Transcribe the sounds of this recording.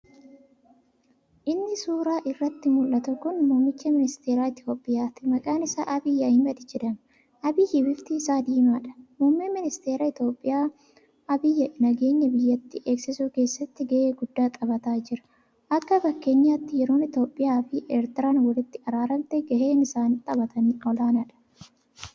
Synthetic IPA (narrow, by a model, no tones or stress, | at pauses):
ʔɪnːɪsuːɾaːʔɪrːɐt̪ːɪmʊlʔɐt̪ʊkʊnmuːmːɪt͡ʃːɐmɪnɪst̪e̞ːɾaːɪt̪jo̞ːpʼːɪjaːt̪ɪmɐkʼaːnɪsa̰ːʔɐbɪjːɐɪmɐd̪ɪd͡ʒɛd̪ɐn | ʔɐbiːhɪbɪft̪ɪɪsaːd̪iːmaːᶑɐ̥muːmːemɪnɪst̪e̞ːɾɐɪt̪jo̞ːpʼːɪjaː | ʔɐbɪjɐnɐɡe̞ːɲːɐbɪjːɐt̪ːɪʔe̞ːksɪsuːke̞ːsːɐt̪ːɪɡɐʔeːɡʊd̪ːaːt̪ʼɐbɐt̪aːd͡ʒɪɾɐ̥ | ʔɐkːɐfɐkːe̞ːɲːaːt̪ːɪjɛɾo̞ːnɪt̪jo̞ːpʼːɪjaːfiːʔeːɾt̪ɪɾaːnwɐlɪt̪ːɪɐɾaːɾɐmt̪ɛɡɐheːnɪsaːnt̪ʼɐbɐt̪ɐnːɔlaːnɐᶑɐ̥